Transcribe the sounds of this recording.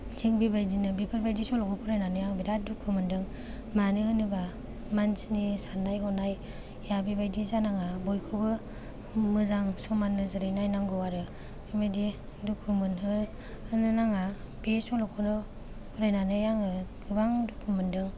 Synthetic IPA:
ziŋbibajdinɯbipʰɯɾbajdisɔlɔkʰɔpʰɔɾajnanɯjaŋbiɾadukʰɯmɯndɯŋ | manɯhɯnɯba | mansnisanːajɦɔnaj | jabibajdizanaŋabɔjkʰɯbɯ | mɯzaŋsɔmanːɯzɯɾɯjnajnaŋɡɯwaɾɯ | amedi | dukʰumɯnɦɯ | hɯnɯnaŋabesɔlɔkʰɔnɔ | pʰɔɾajnanɯjaŋɯɡɯbaŋdukʰumɯndɯŋ

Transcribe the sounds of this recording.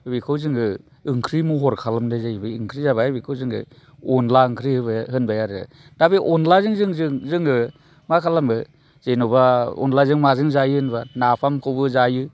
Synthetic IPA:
bikʰɯwzɯŋɯ | ɯŋkʰɾimuɦɔɾkʰalamdɯzajbɯɯŋkʰɾizaβabikʰɯwzɯŋɯ̰ | ɔnlaɯŋkʰɾihɯbahɯnbajaɾɯ | dabiʔɔnlazɯŋzɯŋzɯŋzɯŋɯ | makʰalamɯ | z̥ejnɔbaɔ̰nlazɯŋmazɯŋzajɯhɯnbanapʰamkʰɯwbɯzajɯ

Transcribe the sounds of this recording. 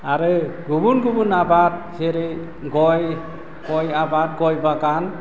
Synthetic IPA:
aɾɯɡubunɡubunabat̚seɾe | ɡɔj | ɡɔjabat̚ɡɔjbakan

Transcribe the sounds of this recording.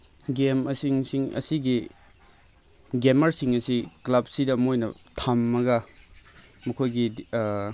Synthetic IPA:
ɡemɐsiŋsiŋɐ̰siɡi | ɡemɐɾsiŋɐsiklɐb̚sidɐmojnɐtʰamːɐɡɐ | mɐkʰojɡi

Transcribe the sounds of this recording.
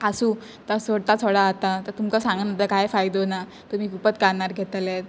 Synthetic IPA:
asuː | t̪əsoɽt̪at͡sʰoɽaːt̪at̪əɾt̪umkasãŋɡənat̪əkajfajd̪ona | t̪um̤iːkupət̪kaɳaɾɡʱet̪let̪̚

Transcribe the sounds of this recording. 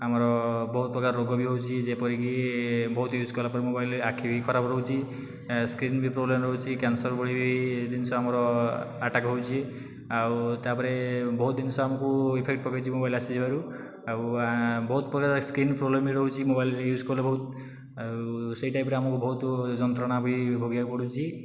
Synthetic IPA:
amɔɾɔbɔɦut̪̚pɾɔkaɾːoɡɔbʱiɦowt͡ʃʰid͡ʒepɔɾikibɔɦut̪juzkɔlapɔɾemobajlakʰibʱikʰɔɾapɾɔwt͡ʃʰi | skɾinbipɾoblemɾɔɦut͡ʃʰikansɔɾbɔɽibid̪insɔamɔɾɔaʈakɦowt͡ʃʰie | awt̪apɔɾebɔɦut̪̚d̪insɔ̃amɔkuipʰekʈ̚pɔkajt͡ʃʰimobajlasid͡ʒbaɾu | awbɔut̪pɔkaskɾinprɔblemiɾɔɦut͡ʃʰimobajlɾejud͡zkɔlebʱɔut̪̚ | wseiʈajpɾeamɔkubʱɔɦut̪d͡zɔnt̪ɾɔɽ̃abʱibʱoɡijakupɔɽut͡ʃʰi

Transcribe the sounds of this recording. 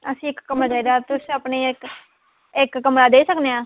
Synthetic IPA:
əsĩːɪkːəmad͡ʒaːid̪aːt̪ʊsiəpneːɪk | ɪkːəmɾaːd̪eːsəkneãː

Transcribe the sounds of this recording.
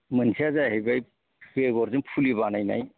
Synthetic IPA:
mɯnsʰiazaɦejbaj | beɡɔɾzɯnpʰulibanajna̰j

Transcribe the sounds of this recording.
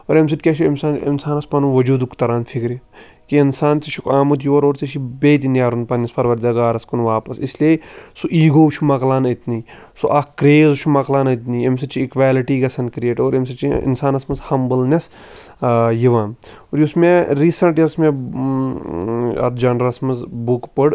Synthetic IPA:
oɾems̬it̪̚ʲkʲeʃiɐmsaːnḭnsaːnɐspɐnuʋɐd͡ʒuːd̪ukt̪ɐɾaːnfʰikɾi | kiinsaːnt͡siʃʰikaːmut̪̬joːɾoːɾt͡siʃʰibeːt̪̬injaːɾunpɐnispɐɾʋɐɾd̪ɐɡaːɾɐskunʋaːpɐsisliesuʔiːɡoːʃʰumɐklaːnɐt̪niː | soʔakɾeːzuʃʰumɐklaːnɐt̪niemsɐt͡ʃʰiːkʋaːliʈiːɡɐsʰɐnkɾʲjeːʈoːɾɐms̬ɐt͡ʃʰiḭnsaːnɐsmɐzhɐmbɨlnʲes | jiʋaːn | oɾjusmeɾiːsɐɳʈjɐsmẽ | ɐ̰t̪ʰd͡ʒaːnɾɐɾɐsmɐzbukpəɽ

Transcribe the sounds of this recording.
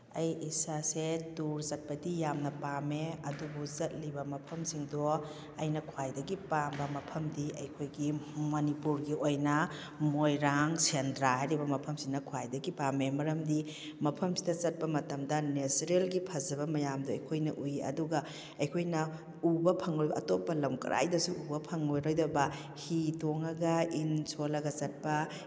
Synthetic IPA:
ɐjisasetuɾzɐt̚pɐdijamnɐpameɐdubuzɐt̚libɐmɐpʰɐmsiŋdo | ɐjnɐkʰuwajdɐɡipambɐmɐpʰɐmdiɐjkʰojɡimɐnipuɾɡiojnɐ | mojɾaŋsendɾaɦajɾibɐmɐpʰɐmsiŋnɐkʰwajdɐɡipamemɐɾɐmdi | mɐpʰɐmsi̥dɐt͡ʃɐt̚pɐmɐtɐmdɐnesɾelɡipʰɐzɐbɐmɐjamduɐ̰jkʰojnɐʔujɐ̰duɡɐ | ɐjkʰojnɐ | ubɐpʰɐŋlojbɐ̰ːtopːɐlɐmkɐ̰ɾʔa̰jdɐsuʔubɐpʰɐŋlojɾojdɐbɐ | hitoŋɐɡɐinsolɐɡɐt͡ʃɐt̚pɐ

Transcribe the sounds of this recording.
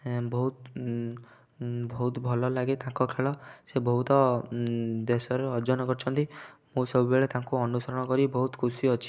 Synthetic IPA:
bɔɦut̪ | bɔɦut̪bʱɔlɔlaɡet̪ãkɔkʰeɭɔsebɔɦut̪ɔ | d̪esɔɾeɔɾd͡ʒɔnɔkɔɾt͡ʃʰɔnt̪imũsɔbʱubeɭet̪aŋkuɔnusɔɾɔɽ̃ɔkɔɾibɔɦut̪kʰusiɔt͡ʃʰi̥

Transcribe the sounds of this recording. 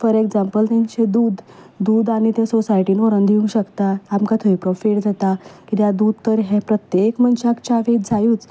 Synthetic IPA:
fəɾeɡd͡zampəlt̪ãɲt͡ɕed̪uːd̪ | d̪uːd̪aɽ̃ñit̪esosajʈiːnɔɾənd̪ʱiũŋɡɕəkt̪aːmkat̪ʰoipɾofiʈd͡zat̪akit̪jad̪ud̪̚t̪əɾɦẽpɾət̪jekmənɕakt͡ɕaʋed͡zʱajuːt͡s

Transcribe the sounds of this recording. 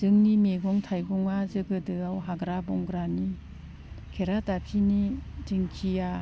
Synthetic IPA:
z̥ɯŋnimeɡɔŋtʰajɡɔŋazɯɡɯdɯawɦaɡɾabɔŋɡɾani | kʰeɾatapʰinidɯŋkʰija

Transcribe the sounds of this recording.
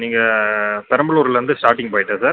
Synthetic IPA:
niːŋɡɐpɛɾɐmbɐɭuːɾɪlɾɐnd̪ɯsʈaːɾʈɪŋɡpoːjɪʈːɐsaː

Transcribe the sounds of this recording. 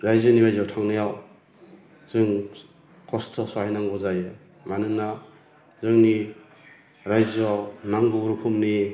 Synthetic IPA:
ɾajzɔnibajzawtʰaŋnajaw | z̥ɯŋ | kʰɔstʰɔsɔajnaŋɡɔzajɯ | manɯna | zɯŋni | ɾajzɔnaŋɡuɾukʰumni

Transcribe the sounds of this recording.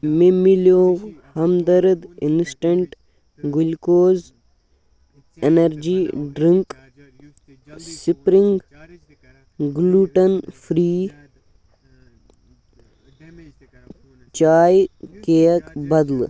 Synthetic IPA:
memːiloːɡhɐmd̪ɐɾd̪insʈɐɳʈ | ɡulkoːz | enɐɾd͡ʒiːɖɾiŋk | sipɾiŋɡ | ɡluːʈɐnfʰɾiː | t͡ʃaːjkejɐkbɐd̪l

